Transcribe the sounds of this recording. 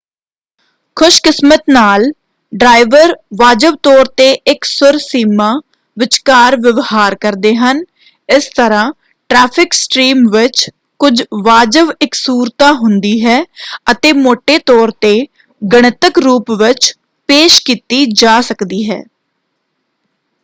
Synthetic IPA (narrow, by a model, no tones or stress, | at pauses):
kʰʊʃkɪsmət̪naːl | ɖɾaːiʋəɾʋaːd͡ʒəʋt̪ɔːɾt̪eːʔɪksʊɾsiːmaː | ʋɪt͡ʃkaːɾʋɪʋhaːɾkəɾd̪eːɦən | ɪst̪əɾãː | ʈɾɛːpʰɪksʈɾiːmʋɪt͡ʃ | kʊd͡ʒʋaːd͡ʒəʋɪksuːɾt̪aːɦʊnd̪iːɦɛːət̪eːmoːʈeːt̪ɔːɾt̪eː | ɡəɽ̃ət̪əkɾuːpʋɪt͡ʃ | peːʃkiːt̪iːd͡ʒaːsəkd̪iːɦɛ̰ː